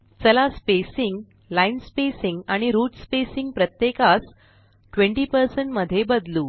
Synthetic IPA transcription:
t͡səlaspesiŋɡ | lainspesiŋɡaɽ̃iɾuːʈspesiŋɡ̚pɾət̪jekat͡s | ʈʋeɳʈiːpəɾsəɳʈməd̪ʱːjebəd̪luː

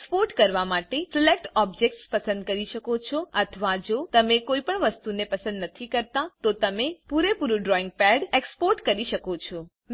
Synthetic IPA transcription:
spoɾʈkəɾʋamaʈeselek̚ʈɔb̚d͡ʒek̚ʈspəsə̃nd̪kəɾiʃəkot͡ʃʰɔət̪ʰəʋad͡ʒot̪əmekoipəɳʋəst̪unepəsə̃nd̪nət̪ʰikəɾt̪at̪ot̪əmepuɾepuɾuɖɾɔĩŋɡ̚pɛɖekspoɾʈkəɾiʃəkot͡ʃʰɔ | m

